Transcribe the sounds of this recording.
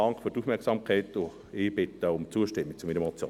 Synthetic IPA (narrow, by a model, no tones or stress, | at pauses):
ɑŋkfyɾtuːfmɛksɑmkʰɛɪtʊ | ɪːb̥ɪtəʊmt͡suəʃtɪmːikt͡sʊminɛmɔt͡sjo̰ː